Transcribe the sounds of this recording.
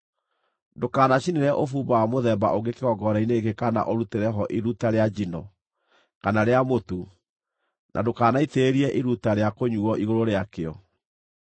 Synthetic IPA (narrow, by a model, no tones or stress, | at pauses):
dokaːnaɕineɾɛʔofuːbawamoðɛba̰ʔoɡekeɣɔɡɔɾaineɣekana̰ʔoɾuteɾɛɦɔʔiɾutaɾead͡ʑinɔ | kanaɾeamotu | nʔa̰dokaːnaiteːɾiɛʔiɾutaɾeakoɲuɔʔiɣoɾoɾeakeɔ̰